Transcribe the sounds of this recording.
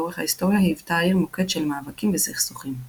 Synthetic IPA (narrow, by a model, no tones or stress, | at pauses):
oʁeχhaisto̞ʁjahaivt̪aːiʁmokedʃelmaːvakimvesiχsuχim